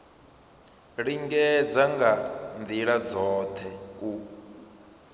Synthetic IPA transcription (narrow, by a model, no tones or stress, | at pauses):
ɺiŋɡɛd͡zaŋɡand̪iɺad͡zɔːt̪ʰɛku